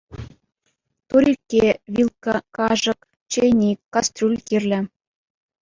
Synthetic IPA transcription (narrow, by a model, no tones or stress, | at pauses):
t̪uɾʲikʲːeʋʲilˠkɑ̆kɑʐɤ̆k | t͡ɕenʲikːɑst̪rʲulʲkʲirʲlʲɘ̆